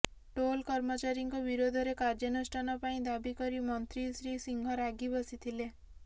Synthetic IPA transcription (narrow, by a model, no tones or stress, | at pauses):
ʈolkɔɾmɔt͡ʃaɾiŋkɔbiɾod̪ʱɔɾekaɾd͡ʒɔnɔsʈʰanɔpaĩd̪abikɔɾimɔnt̪ɾisɾisiŋɡʱɔɾaɡibɔsit̪ʰile